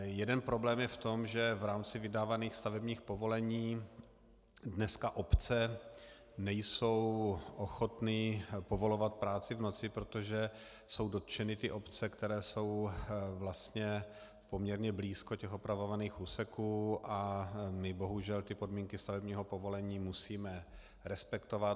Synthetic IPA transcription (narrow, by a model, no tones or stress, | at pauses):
jɛdɛnpɾo̞blɛːmjɛft̪o̞mʒɛvɾaːmt͡sɪvɪdaːvaniːxst̪avɛbɲiːxpo̞vo̞lɛɲiː | dnɛskaʔopt͡sɛ | nɛjso̞wʔoxo̞t̪nɪpo̞vo̞lo̞vat̪̚pɾaːt͡sɪvno̞t͡sɪpɾo̞t̪oʒɛ | so̞wdo̞t̪t͡ʃɛnɪt̪ɪʔo̞pt͡sɛkt̪ɛɾɛːso̞wvlast̪ɲɛ | po̞mɲɛɾɲɛbliːskocɛxopɾavovaniːxuːsɛkuːʔamɪbo̞ɦuʒɛlt̪ɪpo̞dmiːŋkɪst̪avɛbɲiːɦo̞po̞vo̞lɛɲiːmusiːmɛ | ɾɛspɛkt̪ovat̪